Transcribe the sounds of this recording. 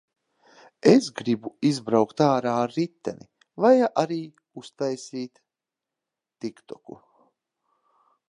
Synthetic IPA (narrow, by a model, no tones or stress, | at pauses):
esɡɾibuizbɾawkt̪aːɾaːɾːit̪ːɛ̰nḭ | vajaʔaɾiː | ust̪ajsiːt̪ | ikt̪ɔku